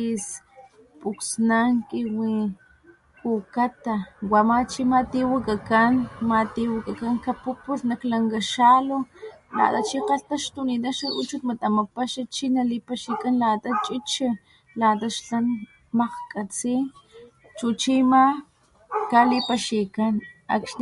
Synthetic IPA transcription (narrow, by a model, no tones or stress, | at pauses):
is | pʼuksnaŋkiwi | kukat̪awamat͡ʃimat̪iwakakanmat̪iwakakaŋkapupusnaklaŋɡaʃalola̰t̪at͡ʃiqɑɬt̪aʃt̪unit̪̬aʃaʔut͡ʃut̪mat̪amapaʃat͡ʃinalipaʃikanlat̪at͡ʃʼit͡ʃa | lat̪aʃɬan | maqkʼat͡si | t͡ʃut͡ʃima | kalipaʃikana̰kʃ